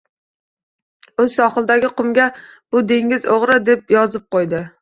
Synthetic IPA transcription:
usɑχɨlˠd̪æɡʲɪqʊmɡʲɛb̥ud̪eŋɡʲɪzoʁɾɨd̪ep̚jɑzɨp̚qojd̪ɪ

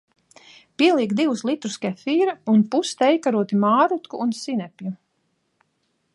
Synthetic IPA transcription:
piɛlˠiɛkd̪iwuslˠit̪ɾuskʲɛfiːɾaunpust̪ɛjkaɾuɔt̪imaːɾut̪kuʔːnsinɛpʲju

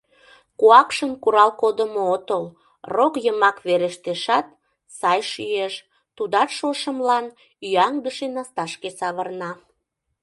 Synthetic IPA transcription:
kuɑkʃənkuɾɑlkod̪əmoot̪əl | rokjəmɑkβeɾeʃt̪eʃɑt̪̚ | sɑjʃyeʃ | t̪ud̪ɑt̪ʃoʃəmlɑn | yɑŋd̪əʃenɑst̪ɑʃkesɑβərnɑ

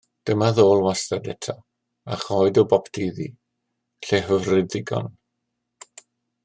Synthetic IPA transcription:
d̥əmaðoːlˠwastadɛtʰa | aχɔɨdɔwbɔpʰtʰiːðḭ | ɬeɦəvrɪdɪɡɔ̰n

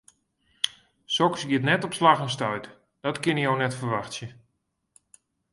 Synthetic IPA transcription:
sɔksɡiətnɛtɔpslaxənstœɥt | d̥ɔtkɪnijownɛtfərʋaxtsjə

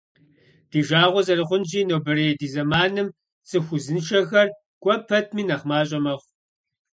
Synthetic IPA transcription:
d̥iːʒaːʁʷɔzɐrɨχʷʊnd͡ʒiːnoːbɨɾeːdiːzɐmaːnɨm | t͡sʼɨxʷʊzɨnʃʰɐxɐr | kʷʼɔpʰɐtʰmiːnɐχmaːɕ̬ʼɐmɐχʷ

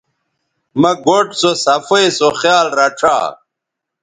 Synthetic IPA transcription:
mɐɡoʈsosɐfɐjsoxjaːlɾɐʈ͡ʂʰa̰ː

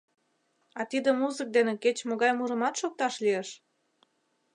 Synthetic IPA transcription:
ɑt̪id̪ə̆muzək̚d̪eneket͡ɕmoɣɑjmuɾə̆mɑt̪ʃok̚t̪ɑʃlijeʃ

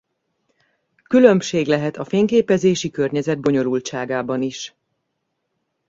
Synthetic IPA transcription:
kylø̞mʃeːɡlɛɦɛt̪ɒfeːŋkeːpɛzeːʃikørɲɛzɛd̪̚bo̞ɲo̞lult͡ʃaːɡaːbɒniʃ

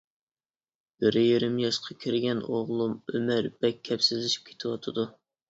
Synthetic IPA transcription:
b̥ɪɾɪjeɾɪmjɑʃqʰɑkʲʰiɾɡʲɛnoʁlˠumømæɾbɛkʲʰːɛpsɪzlːɪʃi̥p̚kʲʰe̥t̪ʰɪwɑt̪ʰɨd̪u

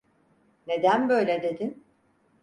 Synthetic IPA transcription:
ne̞d̪ænbø̞jlʲed̪e̞d̪in

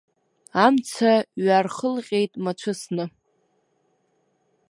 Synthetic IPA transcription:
amt͡sʰaɥarχəlqʲʼe̞jtʼmat͡ʃʷʰɨsnɨ

